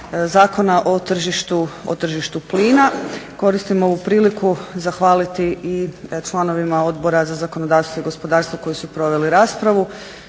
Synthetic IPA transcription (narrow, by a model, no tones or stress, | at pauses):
zaːko̞naʔo̞t̪r̩ʒiʃt̪uot̪r̩ʒiʃt̪upliːnako̞ɾist̪imoʋupɾiːlikuzaxʋaːlit̪iit͡ʃlˠano̞ʋimao̞d̪bo̞ɾazazakonod̪aːɾst̪ʋoiɡo̞spo̞d̪aːɾst̪ʋoko̞jisupɾo̞ʋe̞liɾaːspɾaʋu